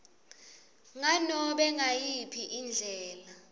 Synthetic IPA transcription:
ŋanɔɓɛŋajipʰiʔind͡ɮʱɛːla

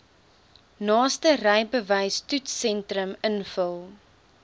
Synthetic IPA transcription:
nɑːstərəjbəvɐjstutsɛntrəmənfəlˠ

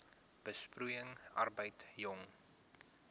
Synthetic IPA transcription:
b̥əsprujəŋʔɐ̰rbəjtjɔŋ

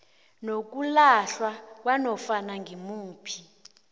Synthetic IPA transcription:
nok̬ulaɬwak̬wanɔfanaŋɡimuːpʰi̥

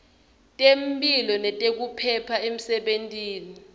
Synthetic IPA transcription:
tʼempʼilɔnɛtʼek̬upʰɛpʰaem̩sɛɓentʼiːni

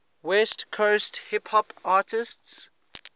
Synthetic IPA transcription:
wɛstkʰosthɪphɔpaːˑtɪsts

